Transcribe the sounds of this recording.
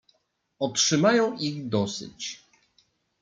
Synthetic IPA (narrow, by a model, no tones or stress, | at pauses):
ɔtʂɘmajɔ̃w̃iɣd̪ɔsɘ̰t͡ɕ